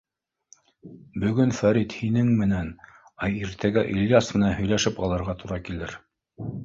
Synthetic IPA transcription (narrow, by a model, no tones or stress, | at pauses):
bɵ̆ɡɵnfæɾit̪hinɘŋmɘ̆næn | ɑiɾt̪ʰæɡæʔiljɑsmɘ̆nænhɵ̆jlæʃɘpɑlˠɤ̆ɾʁɑt̪uɾɑkilɘɾ